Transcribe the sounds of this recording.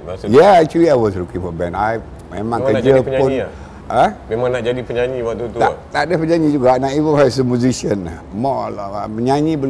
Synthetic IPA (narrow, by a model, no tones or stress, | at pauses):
jɛat͡ʃuliajwɔsɾukiŋfɔbɛ̃naj | memãŋkəd͡ʒəpɲpʊn | amemãŋnaʔd͡ʒadipəɲaɲĩwat̪ut̪uat̪aʔdəpəɲaɲĩd͡ʒuɡanaʔivənasəmjuzisiəna | mɔlməɲaɲĩbəl